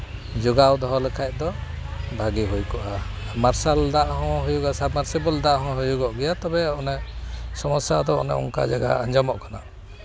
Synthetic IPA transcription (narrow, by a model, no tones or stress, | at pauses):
d͡ʒuɡawd̪ʱɔɦɔlɛkʰaj̚d̪ɔ | bʱaɡiɦujkɔʔa | maɾsald̪aʔɦɔ̃ɦɔjuɡasabmaɾsibɔld̪aʔɦɔ̃ɦɔjuɡɔʔɡɛjat̪ɔbɛɔnɛsɔmɔsad̪ɔɔ̰nɛ̰ɔ̰ŋka̰d͡ʒaɡa̰aɲd͡ʒamɔʔkana̰ʔ